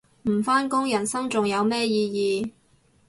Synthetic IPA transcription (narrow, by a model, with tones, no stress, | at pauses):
m̩˨˩faː˥nkʊ˥ŋjɐ˨˩nsɐ˥ŋt͡sʊ˨ŋjɐ˨˧wmɛː˥jiː˧jiː˨˧